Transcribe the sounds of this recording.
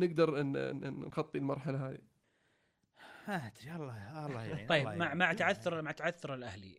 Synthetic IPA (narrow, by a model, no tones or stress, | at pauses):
nɪɡd̪ɑɾˤnnɣɑt̪ˤːilmɑɾˤħalaɦaːðḭ | hat̪ɾiɑlˤːɑlːˤɑjːɪbmaʕmaʕt̪aʕaθːʊɾˤmaʕt̪aʕaθːʊɾˤɪlʔahlḭ